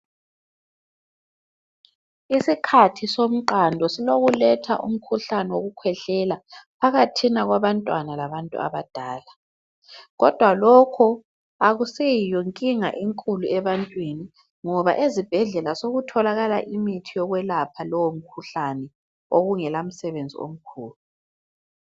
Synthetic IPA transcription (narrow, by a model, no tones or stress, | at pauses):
isikʰatʰisom̩ǃandʱɔsiloɣulɛtʰa̰ʔṵm̩kʰuɬanɛwoɣukʰwɛɬɛlapʰaɣatʰinaɣwaβantʼwanalaβantʼṵa̰βad̥ʱaːla | ɣɔd̥ʱwalɔkʰɔ | aɣusejijɔŋkʼiŋa̰ʔiŋkʼuluɛβantʼwini | ŋɔβa̰ʔezib̥ʱɛɮɛlasoɣutʰɔlaɣala̰ʔimitʰijɔɣwɛlapʰalɔwom̩kʰuɬanɛ | oɣuŋɛlam̩sɛβend͡zʱḭo̰m̩kʰuːlu